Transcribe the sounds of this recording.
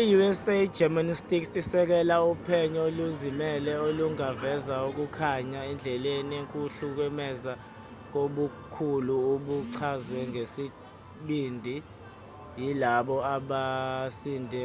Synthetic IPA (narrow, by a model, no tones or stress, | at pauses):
ijuɛse̥d͡ʒʱɛmanistʼiksisɛk̬ɛlaupʰɛɲɔoluzimɛlɛoluŋavɛzauk̬ukʰaɲaɛnd͡ɮʱɛlenieŋkʼuɬuk̬ɛmɛza | k̬oɓukʰuluuɓuǀʰazwɛŋʱesi | ɓindʱi | jilaɓɔaɓasiːndʱɛ